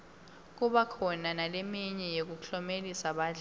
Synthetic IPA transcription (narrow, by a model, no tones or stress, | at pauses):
k̬uɓakʰɔnanalemiɲɛjek̬ukɬɔmelisaɓaːɮ